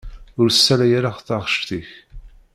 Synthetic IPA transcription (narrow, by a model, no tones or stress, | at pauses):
ʊɾsːælæjaɾaʁθɑʁəʃt̪iç